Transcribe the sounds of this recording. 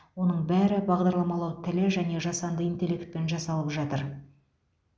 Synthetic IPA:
wo̞nəɴbæɾɪbɑʁd̪ɑɾlˠɑmɑlˠɑwt̪ʰɪlɪʒæne̞ʒɑsɑnd̪əijnt̪e̞lʲːe̞kt̪̚pe̞nʒɑsɑlˠəpʒɑt̪əɾ

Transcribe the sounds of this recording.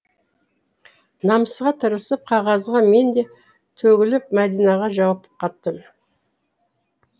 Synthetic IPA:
nɑməsʁɑt̪ʰəɾəsəp̚qʰɑʁɑzʁɑme̞nd̪e̞ | t̪ʰɵɡʲɪlɪpmæd̪ijnɑʁɑʒɑwɑpqʰɑt̪ːəm

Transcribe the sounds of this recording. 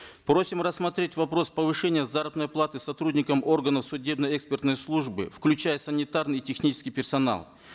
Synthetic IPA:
pɾo̞sʲɪmrəsmɐt̪ɾʲetʲvɐpɾo̞spəvɨʂɛnʲɪjəzaɾəbnəjplˠat̪ɨsɐt̪ɾudʲnʲɪkəmo̞rɡənəfsʊdʲe̞bnəjɛkspʲɪrt̪nəjslˠuʐbɨ̰fklʲʉt͡ɕæjəsənʲɪt̪arnɨjtʲɪxnʲit͡ɕɪ̥skʲijpʲɪrsɐna̰lˠ

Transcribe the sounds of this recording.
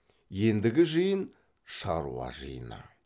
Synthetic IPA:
je̞nd̪ɪɡʲɪʒɯjən | ʃɑɾṵɑ̰ʒə̰jənɑ̰

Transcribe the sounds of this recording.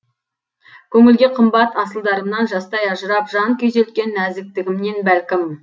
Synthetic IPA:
kʲʰɵŋɪlɡʲe̞qʰəmbɑt̪ɑsəlˠd̪ɑɾəmnɑnʒɑst̪ɑjɑʒəɾɑpʒɑŋkʲʰɵze̞lt̪kʲe̞nːæzd̪ɪk̚t̪ɪɡʲɪmne̞nbælkʲɪm

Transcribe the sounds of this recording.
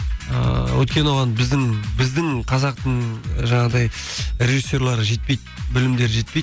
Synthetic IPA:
ə̰wɵ̰t̪̚kʲe̞nwo̞ʁɑnbɪzd̪ɪŋbɪzd̪ɪŋqʰɑzɑq̚t̪əɴʒɑɴɑʁəd̪ɑjrʲeʒisːo̞rlˠɑɾəʒe̞t̪̚pe̞jt̪bɪlɪmd̪e̞ɾʒe̞t̪̚pejt̪

